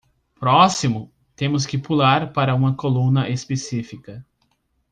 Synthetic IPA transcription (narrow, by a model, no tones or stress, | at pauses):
pɾɔsimʊ | t̪ẽmʊs̬kɪpulaɾpaɾɐũmɐkolũnɐʔespesifikɐ